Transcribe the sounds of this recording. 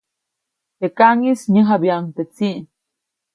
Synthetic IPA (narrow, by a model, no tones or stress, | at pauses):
t̪ekaŋisɲəɦabjaŋt̪et͡siʔn